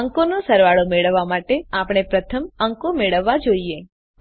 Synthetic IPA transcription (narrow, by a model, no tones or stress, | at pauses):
əŋkonosəɾʋaɭomeɭəʋːamaʈeapɽ̃epɾət̪ʰəməŋkomeɭəʋːad͡ʒoie